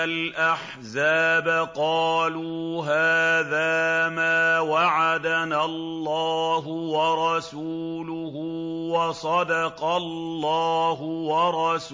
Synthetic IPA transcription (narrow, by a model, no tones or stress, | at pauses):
alʔaħ | zaːbaqɑːluːɦaːðaːmaːwaʕad̪analːɑːɦʊwɑɾˤɑsuːlʊhuwɑsˤɑd̪ɑqɑlːɑːɦʊwɑɾˤɑs